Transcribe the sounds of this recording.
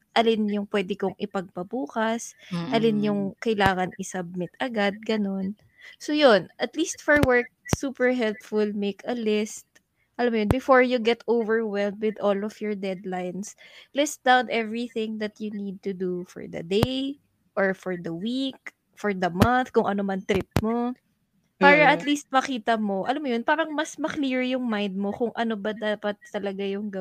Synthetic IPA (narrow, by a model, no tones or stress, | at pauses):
ʔɐlɪnjʊŋpwɛːd̪ɪkʊŋʔɪpɐɡ̚pɐbuːkɐsʔɐlɪnjʊŋkɐɪlaːŋɐnʔɪsɐb̚mɪt̪ʔɐɡad̪̚ɡɐno̞n | sojonʔɐt̪liːst̪fɔɹwɛɹk̚suːpɛɹɦɛlpfʊlmejkɐlɪst̪̚ | ʔɐlamːojonbɪfoɹjuɡɛt̪owvɛɹwɛlmd̪wɪd̪ɔlɔvjɔɹd̪ɛd̪lajnslɛsd̪awnʔɛvɹiθɪ̃ŋd̪ɐt̪jʊnid̪̚t̪ʊd̪ufɔ̰ɹd̪ɐ̰d̪ej | ʔɔɹfɔɹd̪ɐwik̚ | fɔɹd̪ɐmɐnθkʊŋʔɐnomɐnt̪ɾɪp̚mo | paːɾɐɐt̪list̪̚mɐkiːt̪ɐmo̞ʔɐlamːojonpaːɾɐŋmɐsmɐkliɹjʊŋmajnd̪̚mokʊŋʔɐnobɐd̪aːpɐt̪ːɐlɐɡajʊŋɡɐ